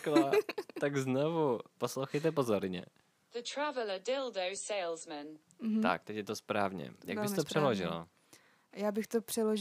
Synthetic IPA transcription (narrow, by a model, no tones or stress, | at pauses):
klat̪aɡznovuposlowxɛjt̪ɛpozoɾɲɛ̰ | ðətʰɹ̥avələdɪlˠdoʊseɪlˠzmə̃n | t̪a̰k̚t̪ɛcjɛt̪ospɾaːvɲɛ̰jaɡbɪst̪opr̥ɛloʒɪ̰la̰ | jaːbɪxt̪opr̝̥ɛloʒ